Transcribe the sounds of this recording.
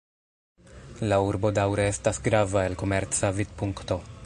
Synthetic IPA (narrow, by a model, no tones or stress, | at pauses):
lauɾbo̞dawɾeestasɡɾavaelko̞me̞ɾt͡savid̚puŋkto̞